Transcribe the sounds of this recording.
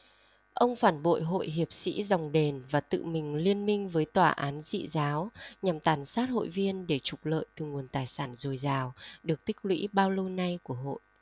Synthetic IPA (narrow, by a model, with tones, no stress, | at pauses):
ʔə˧wŋ͡mfaː˧˩nɓo̰˧˨jɦo̰˧˨jɦi˨˩əp̚sḭ˧˥za˨˩wŋ͡mɗe˨˩nvaː˨˩t̪ɨ̰˧˨mï˨˩ŋ̟li˧ənmï˧ŋ̟vəː˨˦jt̪waː˧˩ʔaː˨˦nzḭ˧˨zaː˨˦wɲa˨˩mt̪aː˨˩nsaː˦˥t̚ho̰˧˨jvi˧ənɗe˧˩t͡ɕʊ˨˩k͡p̚lə̰ː˧˨jt̪ɨ˨˩ŋu˨˩ənt̪aː˨˩jsaː˧˩nzo˨˩jzaː˨˩wɗɨ˨˩ək̚t̪ï˦˥k̟̚lwḭ˧˥ɓaː˧wlə˧wna˧jku˧˩əɦo̰˧˨j